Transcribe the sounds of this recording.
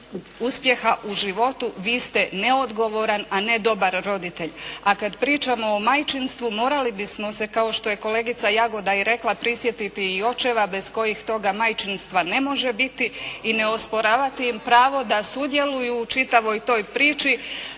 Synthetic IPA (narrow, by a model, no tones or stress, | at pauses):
uspje̞xaʔuʒiʋo̞t̪uʋiːst̪e̞ne̞o̞d̪ɡo̞ʋo̞ɾanane̞d̪o̞baɾːo̞d̪it̪e̞ʎakad̪pɾiːt͡ʃamo̞ːmajt͡ʃinst̪ʋumo̞ːɾalibismo̞se̞kao̞ʃt̪o̞je̞ko̞le̞ɡit̪sajaɡo̞d̪aiɾe̞klˠapɾisje̞t̪it̪iio̞t͡ʃe̞ʋabe̞z̥ko̞jixt̪o̞ɡamajt͡ʃinst̪ʋane̞mo̞ʒe̞bit̪iːne̞o̞spo̞ɾaːʋat̪iːmpɾaːʋo̞d̪asud̪je̞lujuːt͡ʃit̪aʋo̞jt̪o̞ːjpɾiːt͡ʃi